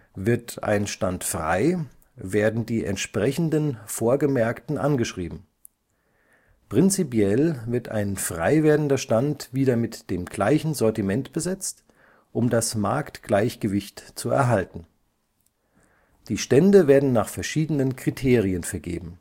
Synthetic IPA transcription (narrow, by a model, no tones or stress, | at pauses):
vɪɐtʰa̰ɪnʃtantfʁ̥a̰ɪ | veːɐdn̩diːʔɛ̰ntʃpʁ̥ɛçn̩dənfoːɐɡəmɛɐktn̩ʔa̰nɡəʃʁ̥ḭːbm̩ | pʁ̥ɪnt͡sipjɛlvɪɐta̰ɪnfʁ̥aɪveːɐdn̩dɐʃtantv̥iːdɐmɪtd̥eːmɡlaɪçn̩zɔɐtimɛntb̥əzɛt͡st | ʔʊmdasmaɐktɡ̥laɪçɡ̥əvɪçtt͡suɛ̰ɐɦaltn̩ | d̥iːʃtɛndəveːɐdn̩naːχfɛɐʃiːdənənkʁ̥itʰeːʁiənfɛɐɡḛːbm̩